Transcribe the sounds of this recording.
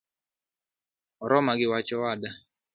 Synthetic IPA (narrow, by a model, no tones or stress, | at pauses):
ɔɾɔmaɡɪwat͡ʃɔwada